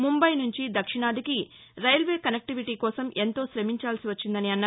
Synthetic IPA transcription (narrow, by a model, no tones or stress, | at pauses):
mumbɐjnuɲt͡ʃid̪ɐkʂiɳaːd̪iki | ɾɐjɐlʋe̞ːkɐnek̚ʈiʋiʈiːkɔːsɐmʔe̞nt̪o̞ːsɾɐmiɲt͡ʃaːlsiʋɐt͡ʃːind̪ɐniɐnːa